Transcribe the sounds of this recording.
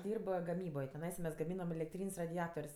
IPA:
ˈdʲiːrp ɡɐˈmʲiːboːj tʲɪˈnɐɪsɐ mʲɛs ɡɐˈmʲiːnɐm ɛlʲɛkˈtʲrʲiːnʲsʲ rɐdʲɪˈɑːtoːrʲsʲ

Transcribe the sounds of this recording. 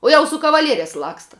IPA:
ˈuɔ jɛʊ sʊ kɐʋɐˈlʲiɛrʲɛs ˈlˠɑːkstɐ

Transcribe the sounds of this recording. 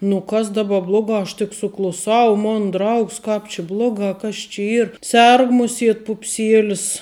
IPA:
nʊ ˈkɐs dɐˈbɐ ˈblˠoːɡɑː ɐʃ tʲɪk sʊklˠʊˈsɐʊ ˈmoːn ˈdrɐʊks ˈkɐp t͡ʃʲɪ ˈblˠoːɡɑː kɐs t͡ʃʲɪ ˈiːr ˈsʲɛrk ˈmʊˌsʲiɛt pʊpʲˈsʲɪeːlʲɪs

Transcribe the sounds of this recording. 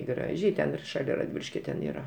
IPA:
ˈɡrɑːʒʲɛɪ tʲɛn ɪr ʃɐˈlʲɛ rɐdʲˈʋʲiːlʲɪʃʲkʲoː tʲɛn ˈiːrɐ

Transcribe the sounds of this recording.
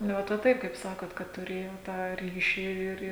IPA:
nʊ ˈʋɐt ʋɐ ˈtɐɪp kɐɪp ˈsɑːkoːt kɐt tʊˈrʲeːjoː tɑː ˈrʲiːʃʲɪ ɪr

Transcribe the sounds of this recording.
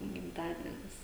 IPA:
ɡʲɪmˈtɑːdʲiɛnʲɪs

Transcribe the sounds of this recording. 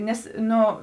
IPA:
ˈnʲɛs ˈnʊ

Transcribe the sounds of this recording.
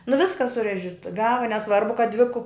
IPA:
nʊ ˈʋʲɪskɐ sʊˈrʲæːʒʲɪt ˈɡɑːʋɐ nʲɛˈsʋɐrbʊ kɐt dʲʋʲɪ kʊ

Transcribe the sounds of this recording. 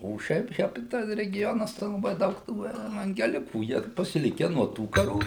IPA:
oː ˈʃʲɛɪp ˈʃʲæːpʲɪ ˈtɐs rʲɛɡʲɪˈjoːnɐs tɐɪ lˠɐˈbɐɪ ˈdɐʊk ˈtuː ɛʋɐŋʲɡʲɛˈlʲɪkuː ˈjiɛ pɐsʲɪˈlʲɪkʲɛ nuɔ ˈtuː kɐˈruː

